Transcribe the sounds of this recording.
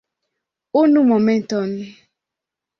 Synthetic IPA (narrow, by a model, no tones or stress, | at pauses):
onumɔmen̩tɔm̩ne